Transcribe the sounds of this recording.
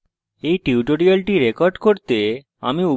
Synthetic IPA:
ejʈiuʈoɾialʈiɾekoɾɖkoɾt̪e | a̰miu

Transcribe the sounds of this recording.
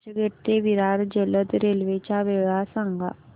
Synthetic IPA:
ɡʱeʈt̪eʋiɾaɾd͡ʑələt̪ɾelʋet͡ɕaʋeɭɭasaŋɡʱa̰

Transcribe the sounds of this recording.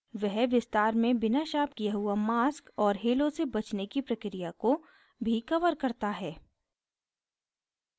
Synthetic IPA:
ʋɛɦʋɪst̪aːɾmẽbɪnaʃaːp̚kijaɦʊamaːskɔːɾɦeːlõsebɐt͡ʃnekipɾɐkɾijako | bʱikɐʋəɾkɐɾt̪aɦɛː

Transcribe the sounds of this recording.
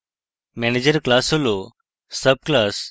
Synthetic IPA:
mɛːned͡ʒəɾklaːsoloː | səb̚klaːs

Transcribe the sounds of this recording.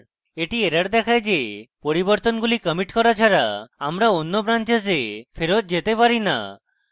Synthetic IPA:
eʈieɾaɾd̪ɛkʰajd͡ʒepoɾibɔɾt̪ɔnɡulikəmiʈkɔɾat͡ʃʰaɾaamɾaonːobɾant͡ʃes̬epʰeɾot̪̚d͡ʒet̪epaɾina̰

